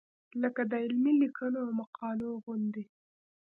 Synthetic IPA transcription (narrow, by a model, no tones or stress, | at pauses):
ləkad̪əɪlmilikʰənoawmaqʰɑloɣʊnd̪e